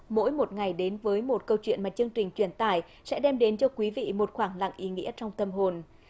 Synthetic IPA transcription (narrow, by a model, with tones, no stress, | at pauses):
mo̰˧˥jmo˨˩t̚ŋa˨˩jɗe˨˦nvəː˨˦jmo˨˩t̚kə˧wt͡ɕwḭ˧˨nmaː˨˩t͡ɕɨ˧əŋt͡ɕï˨˩ŋ̟t͡ɕwi˧˩ənt̪aː˧˩j | sɛ̰˧˥ɗɛ˧mɗe˨˦nt͡ɕɔ˧kwi˨˦vḭ˧˨mo˨˩t̚xwaː˧˩ŋla̰˧˨ŋʔi˨˦ŋḭ˧˥ət͡ɕɔ˧wŋ͡mt̪ə˧mɦo˨˩n